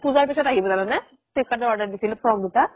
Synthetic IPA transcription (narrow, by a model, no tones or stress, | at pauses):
puzaɹpisɔtaɦibɔzalɔnɛ | sikadɔɔɹdaɹdisilpʰɹɔmduta